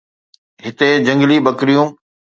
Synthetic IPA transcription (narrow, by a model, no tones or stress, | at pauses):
ɦɪt̪ed͡ʑɐ̃ŋɡliɓɐkɾijũː